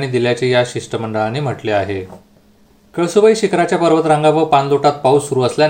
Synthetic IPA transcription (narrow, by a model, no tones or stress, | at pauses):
ɽ̃id̪iljat͡ɕejaɕiʂʈəməɳɖəɭanem̤əʈleaɦe | kəɭsuʋəiɕikɾat͡ɕjapəɾʋət̪ɾãŋɡaʋəpanloʈat̪̚pausuɾuːəslja